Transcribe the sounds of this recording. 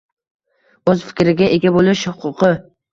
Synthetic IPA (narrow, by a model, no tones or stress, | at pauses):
ɵzfɪ̥kʲɾɪɡʲaʔeɡʲabolˠɪʃhʊqʰʊqʰɨ